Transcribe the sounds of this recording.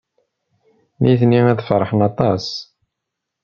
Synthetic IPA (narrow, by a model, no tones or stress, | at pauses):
niθnimæðfɾˤħənɑt̪ˤɑs